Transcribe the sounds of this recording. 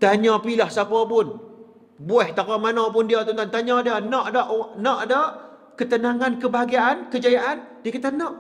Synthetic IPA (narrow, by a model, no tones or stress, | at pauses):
t̪aɲãpilahsapapʊn | buɛht̪apamanap̬ʊndiat̪ɔnt̪ant̪aɲadanɔʔdaʔnɔʔdaʔ | kət̪ənaŋankəbaɦaɡiaʔankəd͡ʒajaʔan | diəkat̪anːɔʔ